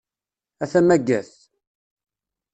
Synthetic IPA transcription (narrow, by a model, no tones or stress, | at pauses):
æθæmæɡːæθ